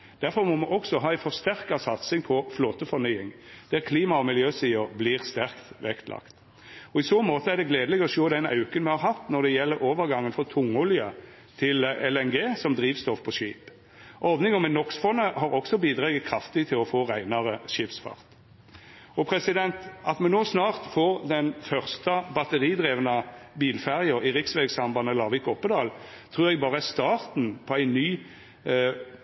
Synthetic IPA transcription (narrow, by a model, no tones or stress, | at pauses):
d̪̥æʁfɔɾmɔmɛʔɔksɔɦɑːæɪfɔʁst̪æʁkɑsɑt̪sɪŋpʰɔfloːt̪əfɔnyːɪŋd̪̥æʁkʰliːmɑɔmɪljøːsiːəɾbliːʁst̪æʁkt̪ʋɛkt̪lɑ̰kt̪ | ɔɪsoːmoːt̪əæʁd̪ɛɡleːd̪lɛɡəɔʃoːd̪ɛnɑ̰ʉkənmɛhɑɾɦɑt̪ːnɔd̪ɛjɛlːəɾoːʋəɾɡɑŋːənfɔt̪ʰʊŋʉljə | t̪ʰɪlɛlɛnɡeːsɔmd̪ʁiːʋst̪ɔfpʰɔʃiːp | ʔɔʋnɪŋɔmɛnɔksfɔnːəhɑɾɔksɔbiːd̪ʁɑːɡət̪kʰɾɑft̪ɪt̪ʰɪlɔfoːʁæɪnɑʁəʃɪpsfɑ̰ʁt̪ | ɔpʰɾɛsɪd̪ɛnt̪ɑt̪mɛnoːsnɑːʁt̪foːʁd̪ɛnfœʁst̪əbɑt̪əʁiːd̪ʁeːʋnəbiːlfæʁɪəɾɪʁɪksʋɛɡsɑmbɑnːəlɑːʋɪkɔpːəd̪ɑːl | t̪ʰʁʉːʁɛɡ̚bɑːʁəæst̪ɑːʁt̪n̩pʰɔæɪnːyː